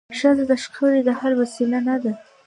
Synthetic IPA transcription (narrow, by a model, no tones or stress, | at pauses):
ʃazad̪aʃqʰawɾed̪ahaɾwasilanad̪a